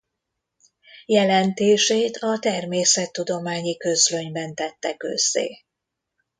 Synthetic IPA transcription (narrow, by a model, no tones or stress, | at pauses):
jɛlɛnt̪eːʃeːt̪ʰɒt̪ɛrmeːsɛt̪ːud̪o̞maːɲikø̞zløɲbɛnt̪ɛt̪ːɛkø̰z̥ːḛː